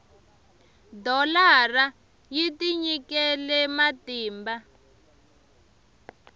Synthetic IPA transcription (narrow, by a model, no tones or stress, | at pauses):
dɔlara | jitiɲikɛlɛmatiːmba